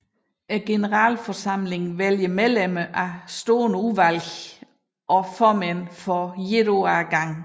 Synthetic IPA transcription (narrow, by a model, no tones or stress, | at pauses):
ɡ̥e̝nəʁɑ̰ːlfɒsɑ̈m̰le̝ŋʋeljəmeðleməʔæsd̥oːnəuʋælɡ | ʔɒ̽fɒmænfɒjedoæɡ̥ɑ̈ŋ